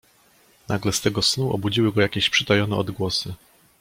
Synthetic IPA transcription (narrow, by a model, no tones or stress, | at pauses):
naɡlɛst̪ɛɡɔsnuʔɔ̰bud͡ʑiwɘɡɔjakʲeɕpʂɘt̪ajɔnɛɔd̪ɡwɔsɘ